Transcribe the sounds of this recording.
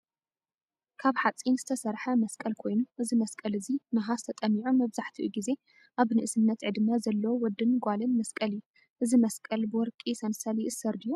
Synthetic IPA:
kʰaβħat͡sʼinz̥ɨt̪ʰɐsɐɾħɐmɐskʼɐlkʰo̞jnuʔɨzimɐskʼɐlɨzinaɦazɨt̪ʰɐt̪ʼɐmːiʕumɐβzaħt̪ʰiʔuɡize̞ | ʔaβnɨʔɨsɨnːɐt̪ʕɨd̪ɨmːazɐlːɐwowɔd̪ːɨnɡʷalɨnmɐskʼɐlɨjːu | ʔɨzimɐskʼɐlbɨwɔɾkʼisɐnsɐliʔɨsɐɾd̪ɨjːu

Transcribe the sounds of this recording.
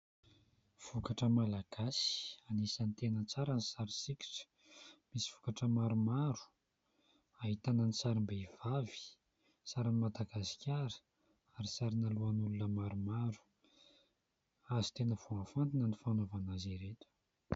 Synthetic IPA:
v̥ukaʈ͡ʂəmalaɡ̥asi̥anesanit̪enət͡saɾanisaɾisiki̥ʈ͡ʂə̥ | misi̥v̥ukaʈ͡ʂəmaɾumaɾu̥ | aɦit̪ananit͡saɾimbeiv̥avi̥ | saɾanimad̪aɡasi̥kʲaɾə̥ | aɾisaɾinaluanulunəmaɾumaɾu̥ | azi̥t̪enəv̥oãnfant̪inənifanovanazeɾet̪u̥

